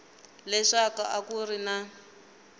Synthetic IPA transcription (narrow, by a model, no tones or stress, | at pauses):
lɛʂaka̰ʔakurina